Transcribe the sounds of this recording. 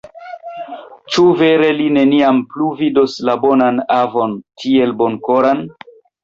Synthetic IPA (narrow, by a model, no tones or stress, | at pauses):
t͡ʃuve̞ɾe̞line̞niampluvidoslabonanavo̞ntʰie̞lbo̞nkoɾan